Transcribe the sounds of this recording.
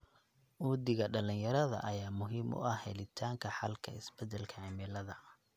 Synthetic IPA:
ʔuːd̪ɪɣɐɖɐlɪnjɐɾɐðɐ̰ʔɐjaːmʊɦiːmʔʊ̰ʔɐhhɛ̰lɪt̪ʰaːŋkʰɐħɑlkʰɐ̰ɪ̰sbɛd̪ɛlkʰɐʕɪmɪlɐðɐ

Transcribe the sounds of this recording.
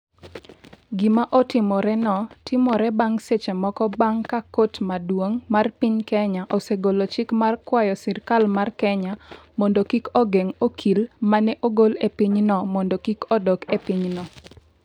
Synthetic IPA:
ɡimaʔɔtɪmɔɾɛnɔtʰɪmɔɾɛbaŋset͡ʃemɔkɔbaŋkakotmadwoŋmarpɪɲkɛɲaʔoseɡolot͡ʃɪkmarkwajɔsɪrkalmarkɛɲamɔndokikɔɡeŋokʰilmanɛʔoɡolepiɲnɔmɔndokikɔdɔkepɪɲnɔ

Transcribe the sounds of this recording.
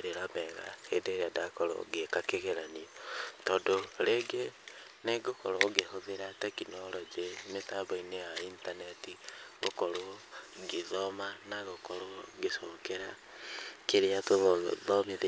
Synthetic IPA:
eɾeɾamɛɣa̰hendeːɾeadakɔɾo̰ɡekakeɣeɾaniɔtɔdoɾeːɡe | neɡokɔɾoɡeɦoðeɾatɛkinɔɾɔd͡ʒemetabɔineaintanɛtiɣokɔɾoɡeðɔmanaɣokɔɾoɡesɔːkeɾa | keɾeatoðɔmeðe

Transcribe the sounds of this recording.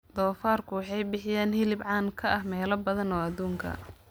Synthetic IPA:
d̪ɔːfaːrkʰʊwɑħɑjbɪħɪjaːnhɪlɪbʕɑːnkʰɐʔɐhmɛːlɐbɐðɐnɔːɐðuːŋkʰɐ̰

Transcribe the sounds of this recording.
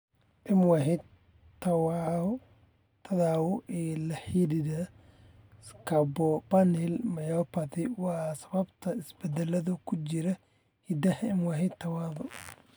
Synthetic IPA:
ʔɪmwahɪ | t̪ʰɐwa | t̪ʰɐðaːwʊʔɛːlɐħiːdɪðɐ | skʰɐbɔbɐnɛlmɐjɔpɐt̪ɪwɑːsɐβɐbt̪ʰɐɪsbɛd̪ɛlɐðʊkʰʊt͡ʃɪɾɐ | hid̪ɐhɪmwaɦɪt̪ʰːɐwaːðɔ

